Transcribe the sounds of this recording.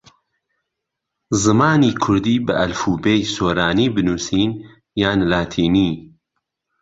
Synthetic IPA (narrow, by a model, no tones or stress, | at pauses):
zɨmaːniːkʰʊɾd̪iːbɨ̰ʔɐlfuːbeːjsoːɾaːniːbɨnuːsiːn | jaːnlaːt̪ʰiːni